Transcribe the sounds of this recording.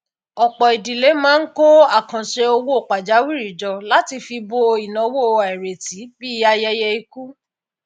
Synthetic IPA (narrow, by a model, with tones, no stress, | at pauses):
ɔ˨k͡pɔ˨i˨di˨le˨˦mãː˦n̩˦ko˦a˦˨kã˨ʃe˧o˧wo˦o˦˨k͡pa˨d͡ʒa˨˦wi˦ɾi˨d͡ʒɔ˧la˨˦ti˧fi˧bo˧i˨nã˨˧˦wo˦˨˧a˨ɛ˨ɾe˨ti˨˦bi˦a˧jɛ˧jɛ˧i˧ku˦